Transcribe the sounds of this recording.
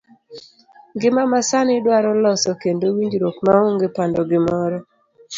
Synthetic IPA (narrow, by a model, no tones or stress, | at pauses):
ɡɪmamasanɪdwaɾɔlɔsɔkendowiɲd͡ʒɾokmaoŋɡepandɔɡɪmɔɾɔ